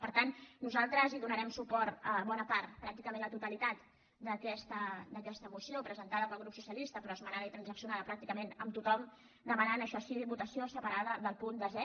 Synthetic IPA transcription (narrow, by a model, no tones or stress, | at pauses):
pəɾt̪annuzalˠt̪ɾəziðunəɾɛmsupɔɾt̪əβɔnəpaɾt̪pɾak̚t̪ikəmenlət̪ut̪əlit̪at̪ | d̪əkɛst̪əd̪əkɛst̪əmusiopɾəzənt̪aðəpəlˠɣɾupsusiəlist̪əpɾɔəzmənaðəit̪ɾənzəksiunaðəpɾak̚t̪ikəmenəmt̪ut̪ɔm | d̪əmənanəʃɔsiβut̪əsiosəpəɾaðəðəlˠpund̪əzɛ